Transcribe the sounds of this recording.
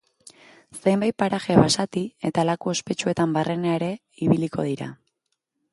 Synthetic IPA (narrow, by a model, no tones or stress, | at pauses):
se̞jmbaj̪̚paɾaxe̞βasat̪ie̞t̪alakue̞spe̞t͡ʃue̞t̪ambare̞neaeɾe̞ | iβiliko̞̰ð̞iɾa̰